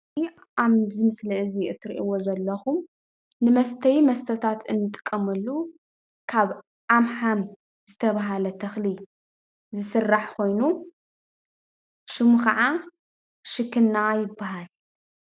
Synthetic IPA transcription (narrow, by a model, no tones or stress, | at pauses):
aβzɨmɨsliɨziɨt̪ʰːɨɾʔḭwozɐlːɐxum | nɨmɐst̪ʰɐjmɐst̪ʰɐt̪ʰat̪ɨnːɨt̪ʼɨ̥kʼːɐmɨlːu | kʰaβ | ʔamħam | zɨt̪ʰɐβaɦalɐt̪ʰɐxli | zɨsɨrːaħkʰo̞jnu | ʃɨmuxɐʕa | ʃɨkʰːɨnːajɪbːaɦal